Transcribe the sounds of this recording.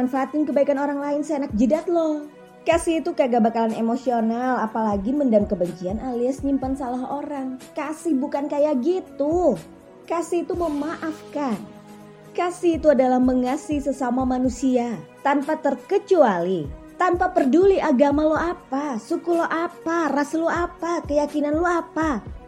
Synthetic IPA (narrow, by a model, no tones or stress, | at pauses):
anfaːt̪ɪnkəbaikanoɾaŋlaɪnseenak̚d͡ʒədat̪̚lɔh | kasiːt̪ukaɡabakalanemosionalapalaɡiməndamkəbəɲt͡ʃianʔaliasɲimpansalaɦoɾaŋkasɪhbukankajaɡit̪u | kasihːt̪uməmaʔafkan | kasihːt̪uadalahməŋasisəsamamanusiat̪ampat̪ərkət͡ʃualit̪ampapərduliʔaɡamaloapasukuloʔaparasloapakəjakinanloapa